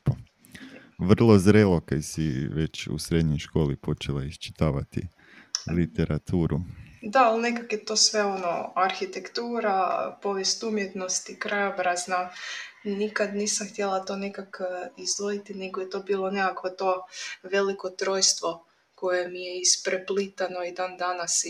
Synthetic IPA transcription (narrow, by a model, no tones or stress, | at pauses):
po | ʋr̩lˠozɾeːlˠokajsiʋe̞t͡ʃṵsɾed̪ɲojʃko̞ːlipo̞t͡ʃelˠaist͡ʃi̥t̪aːʋat̪ḭ | lit̪eɾat̪ʰuːɾud̪aalˠne̞kakjet̪o̞sʋe̞o̞no̰aɾxit̪ekt̪uːɾapo̞ʋjest̪umjet̪no̞st̪ikɾajobɾazna | nikad̪niːsamxt̪jelˠat̪o̞nekakizojit̪ine̞ɡojet̪o̞ːbiːlˠo̞nekakʋot̪o̞ːʋe̞liko̞t̪ɾo̞ːjst̪ʋo̞ | ko̞jemijeispɾeplit̪ano̞id̪aːnd̪anas